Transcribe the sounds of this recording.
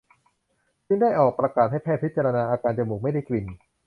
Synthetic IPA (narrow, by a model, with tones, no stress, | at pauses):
sɯ˥˩ŋdaː˥˩jʔɔː˨˩k̚pɾa˧kaː˨˩t̪̚ha˥˩jpʰɛː˥˩t̚pʰi˦˥t̪̚t͡ɕaː˧ɾa˧naː˧ʔaː˧kaː˧nt͡ɕa˨˩muː˨˩k̚ma˥˩jda˥˩jkli˧n